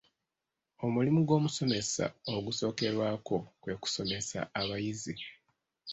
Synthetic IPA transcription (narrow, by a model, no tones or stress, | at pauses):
o̞mulimuɡo̞ːmuso̞me̞sa̰o̞ɡuso̞ːke̞ɾwaːko̞kwe̞ku̥so̞me̞sa̰aβajizi